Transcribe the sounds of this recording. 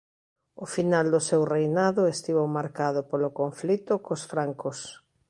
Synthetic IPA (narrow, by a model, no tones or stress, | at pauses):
ʊfinald̪ʊsewrejnaðʊest̪iβomaɾkaðʊpolʊkoɱflit̪ʊkosfɾaŋkʊs